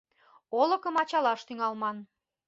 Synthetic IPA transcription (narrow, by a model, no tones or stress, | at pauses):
olə̆kəmɑt͡ɕɑlɑʃt̪yŋɑlmɑn